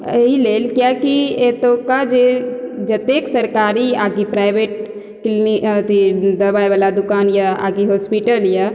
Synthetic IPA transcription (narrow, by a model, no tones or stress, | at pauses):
əɦileːlkjakiet̪okad͡ʒed͡ʒət̪eksəɾkaɾiaɡipɾaɪbeʈ | kilnit̪id̪əɾbaebalad̪ukaːnjaa̰ɡiɦospiʈəlja